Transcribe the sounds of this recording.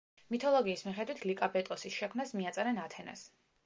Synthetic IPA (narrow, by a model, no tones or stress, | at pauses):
mit̪ʰɔlˠɔɡiːsmiχɛd̪wit̪ʰlikʼabɛt̪ʼɔsisʃɛkʰmnasmiat̪sʼɛɾɛnat̪ʰɛna̰s